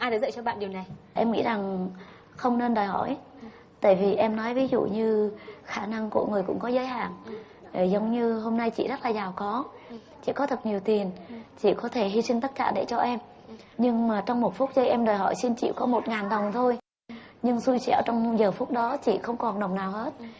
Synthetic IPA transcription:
ʔaː˧jaː˧˥zə̰ː˧˨jt͡ɕɔ˧ɓa̰ː˧˨nɗi˨˩wna˨˩jʔɛ˧mŋḭ˧˥za˨˩ŋ | xə˧wŋ͡mne˧nɗəː˨˩jɦɔ̰˧˩˨j | t̪ə̰ː˧˨jvi˨˩ʔɛ˧mnɔ˨˦jvi˨˦zṵ˧˨ɲɨ˧xaː˧˩na˧ŋku˧˩əŋɨ˨˩əjkʊ̰˧˥ŋ͡mkɔ˨˦zəː˨˦jɦa̰ː˧˨ŋ | e˧˨˩zə˨˦wŋ͡mɲɨ˧ɦo˧mna˧jt͡ɕḭ˧˨zə˦˥t̚laː˨˩zaː˨˩wkɔ˨˦ | t͡ɕḭ˧˨kɔ˨˦t̪ʰə˨˩t̚ɲi˨˩əwt̪i˨˩ənt͡ɕḭ˧˨kɔ˨˦t̪ʰe˧˩ɦi˧sï˧ŋ̟t̪ə˦˥t̚kaː˧˩ɗe˧˩t͡ɕɔ˧ʔɛ˧m | ɲɨ˧ŋmaː˨˩t͡ɕɔ˧wŋ͡mmo˨˩t̚fu˦˥t̚zə˧˦jʔɛ˧mɗəː˨˩jɦɔ̰˧˩˨jsi˧nt͡ɕḭ˧˨kɔ˨˦mo˨˩t̚ŋaː˨˩nɗə˨˩wŋ͡mt̪ʰo˧j | ɲɨ˧ŋsu˧jt͡ɕɛ̰˧˩˨ə˨˩t͡ɕɔ˧wŋ͡mzəː˨˩fʊ˦˥k͡p̚ɗɔ˨˦t͡ɕḭ˧˨xə˧wŋ͡mkɔ˨˩nɗə˨˩wŋ͡mnaː˨˩whe˦˥t̚

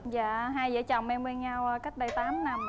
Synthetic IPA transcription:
za̰ː˧˨ɦaː˧jzə̰˧˥˦t͡ɕɔ̰˧˨wŋ͡mʔɛ˧mwe˧nɲa˧wə˨˩ka˦˥k̚ɗə˨˧˩jt̪aː˨˦mna˨˧˩m

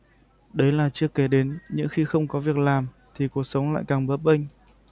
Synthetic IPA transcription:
ɗə˨˦jlaː˨˩t͡ɕɨ˦˥əkːɛ˨˦ɗe˨˦nɲɨ̰˧˥ŋxi˧xə˧wŋ͡mkɔ˨˦vi˨˩ək̚laː˨˩m | t̪ʰi˨˩ku˨˩ək̚sə˨˦wla̰ː˧˨jkaː˨˩ŋɓəː˨˦˥p̚ɓə˧ŋ̟

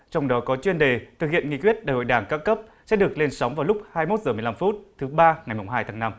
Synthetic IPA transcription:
t͡ɕɔ˧wŋ͡mɗɔ˨˦kɔ˨˦t͡ɕwi˧ənɗe˨˩t̪ʰɨ˨˩k̚hḭ˧˨ənŋḭ˧˨kwi˦˥ət̚ɗaː˨˩ho̰˧˨jɗaː˧˩ŋkaː˨˧˥wkə˦˥p̚sɛ̰˧˥ɗɨ˨˩ək̚le˧nsə˨˦wŋ͡mvaː˨˩wlʊ˦˥k͡p̚haː˧jmo˦˥t̚zɨː˧˩m˨˩jla˧mfu˦˥t̚t̪ʰɨ˨˦ɓaː˧ŋa˨˩jmʊ˨˩ŋ͡mɦaː˧jt̪ʰaː˨˦ŋna˧m

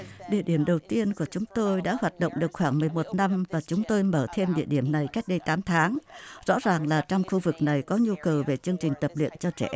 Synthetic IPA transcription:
ɗḭ˧˩əɗi˧˩əmɗə˨˩wt̪i˧ənku˧˩ət͡ɕʊ˨˦ŋ͡mt̪o˧jɗa̰ː˧˥hwaː˨˩t̚ɗo̰˧˨wŋ͡mɗɨ˨˩ək̚xwaː˧˩ŋmɨ˨˩əjmo˨˩t̚na˧mvaː˨˩t͡ɕʊ˨˦ŋ͡mt̪o˧jməː˧˩t̪ʰe˧mɗḭ˧˨əɗi˧˩əmna˨˩jka˦˥jk̚ɗə˧jt̪aː˨˦mt̪ʰaː˨˦ŋzɔ̰˧˥zaː˨˩ŋlaː˨˩t͡ɕɔ˧wŋ͡mxu˧vɨ˨˩k̚na˨˩jkɔ˨˦ɲu˧kə˨˩wve˨˩t͡ɕɨ˧əŋt͡ɕï˨˩ŋ̟t̪ə˨˩p̚lḭ˧˨ənt͡ɕɔ˧t͡ɕɛ˧˩ʔ

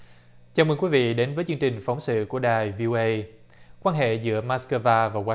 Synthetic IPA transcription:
t͡ɕaː˧wməː˧nkwi˨˦˥vḭ˧˨ɗe˨˦nvəː˨˦jt͡ɕɨ˧əŋt͡ɕï˨˩ŋ̟fa˨˦wŋ͡msɨ̰˧˨ku˧˩əɗaː˨˩jvi˧ʔo˧ʔə˧j | kwaː˧nɦḛ˧˨zɨ̰˧˥əmaː˧˥skəː˧vaː˧vaː˨˩waː˧˦

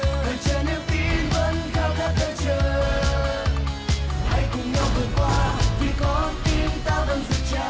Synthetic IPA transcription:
ə˨˩t͡ɕəː˨˩nɨ˧t̪i˧nvə˧nt̪ʰa˧wkaː˦˥k̚t̪ʰəː˧˩t͡ɕəː˧˨˩ | ha˧˩jkʊ˨˩ŋ͡mɲa˧wvɨː˨˩kwaː˧t̪ʰi˨˩kɔ˨˦t̪i˧nt̪aː˧və˧˩nzɨ˨˧˩t͡ɕa˧˦

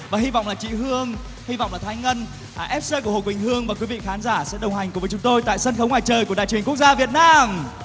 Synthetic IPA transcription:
vaː˨˩hi˧va̰˧˨ŋ͡mlaː˨˩t͡ɕḭ˧˨ɦɨ˧əŋ | hi˧vɔ̰˧˨wŋ͡mlaː˨˩t̪ʰa˧jŋ̟ŋə˧n˩ | ʔɛ˦˥p̚se˧ku˧˩əho˨˩kwi˨˩ŋ̟hɨ˧əŋvaː˨˩kwi˨˦vḭ˧˨xaː˨˦nzaː˧˩sɛ̰˧˥ɗə˨˩wha˨˩jŋ̟ku˩vəː˨˦jt͡ɕʊ˨˦ŋ͡mt̪o˧jt̪a̰ː˧˨jsə˧nxə˨˦wŋ͡mŋwaː˧˨jt͡ɕəː˨˩jku˧˩əɗa̰˧˨jt͡ɕwi˧˩ənkk̚zaː˧vi˨˩ət̚naː˧m

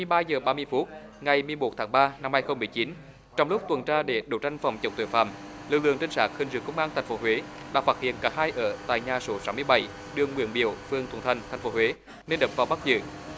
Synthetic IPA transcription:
ɨ˩˨jɓaː˧zəː˨˩ɓaː˧mɨ˧əjfu˦˥t̚ | ŋa˨˩jmɨ˨˩əjmo˨˩t̚t̪ʰaː˨˦ŋɓaː˧na˧mhaː˧jxə˧wŋ͡mmɨ˨˩əjt͡ɕi˨˦n | t͡ɕɔ˧wŋ͡mlʊ˦˥k͡p̚t̪wə˨˩nt͡ɕaː˧ɗe˧˩ɗo˧˨˩t͡ɕa˧jŋ̟fa̰˨˩wŋ͡mt͡ɕə̰˨˩wŋ͡mt̪ḭ˧˨˩fa̰ː˧˨mlɨ̰˨˧˨lɨ̰˧˨əŋt͡ɕï˧ŋ̟saː˦˥k̚hi˨˩ŋ̟zɨ̰˧˩əkə˧wŋ͡mʔaː˧nt̪ʰa˨˩ŋ̟fo˨˦ɦwe˨˦ɗa̰ː˧˥faː˦˥t̚hḭ˧˨ənkaː˧˥haː˧jʔəː˧˩t̪a̰ː˧˨jɲaː˨˩so˨˦saː˨˦mɨ˧əjɓa˧˩j | ɗɨ˨˩əŋːwḭ˧˩˥ənɓḭ˧˩˨əwfɨ˧əŋt̪wnt̪ʰa˧jŋ̟t̪ʰa˨˩ŋ̟fo˨˦hɦwe˨˦ | ne˧nɗəː˨˩p̚vaː˨˩wɓa˦˥t̚zɨ̰ː˧˩˨

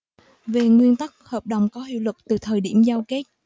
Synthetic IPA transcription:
ve˨˩ŋwi˧ənt̪ə˦˥k̚həː˨˩p̚ɗə˨˩wŋ͡mkɔ˨˦ɦḭ˧˨wlɨ˨˩k̚t̪ɨ˨˩t̪ʰəː˨˩jɗḭ˧˩əmzaː˧wke˦˥t̚

